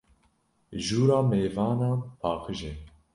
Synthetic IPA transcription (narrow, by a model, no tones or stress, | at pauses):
ʒuːɾɑːmeːvɑːnɑːpʰɑːkʰɨʒɛ